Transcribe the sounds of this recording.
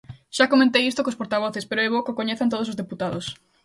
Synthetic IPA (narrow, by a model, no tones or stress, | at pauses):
ʃakomẽnt̪ejist̪okospoɾt̪aβ̞oθespeɾoɛβokokoɲeθant̪oð̞os̬ozðeput̪aðos